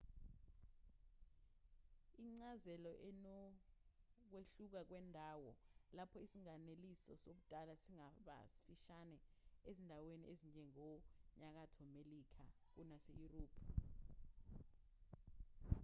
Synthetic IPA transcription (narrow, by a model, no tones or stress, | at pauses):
iŋ͡ǀazɛlɔʔɛnɔ | k̬weɬuk̬ak̬wɛndʱaːwɔlapʰɔisiŋanelisɔsok̬ud̥ʱʼalasiŋaɓa̰si̥fiʃanɛezindʱawenḭʔezind͡ʒʱɛŋɔɲak̬atʰɔmelikʰa | k̬unasḛjuroːpʰ